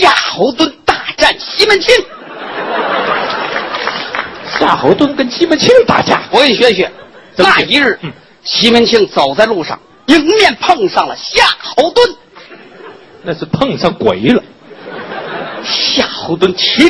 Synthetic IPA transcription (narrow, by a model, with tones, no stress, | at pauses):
ɕja˥˩xo˧˥ʊt̪wə˥nt̪a˥˧ʈ͡ʂa˥˩nɕi˥mə˧˥nt͡ɕʰi˥ŋ | ɕja˥˩xo˧˥ʊt̪wə˥nkə˥nɕi˥mə˧˥nt͡ɕʰi˥ŋt̪a̰˥˩t͡ɕja̰˥wɔ˧˥i˧˩ɕɥɛ˧˥ɕɥɛ˨˩˦t͡sə˧˩n˥˩i˧˥ɻɻ̩˥˩˥ | ɕi˥mə˧˥nt͡ɕʰi˥ŋt͡so˨˩ʊt͡sa˥˧ɪlu˥˧ʂɑ̰˥˩ŋ | i˧˥ŋmjɛ˥˧npʰɤ˥˧ŋʂɑ˥˩ŋlə̰˩ɕja˥˩xo˧˥ʊt̪wə˥n | na˥˧ʂɻ̩˥˧˩pʰɤ˥˧ŋʂɑ˥˩ŋkwe˨˩˦ɪlə˨ | ɕja˥˩xo˧˥ʊt̪wə˥nt͡ɕʰi˥